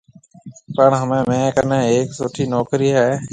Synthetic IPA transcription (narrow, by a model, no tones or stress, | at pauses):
pəɳɦəmẽːmẽːkənẽːɦeːksoːʈʰiːnoːkɾiːɦɛeː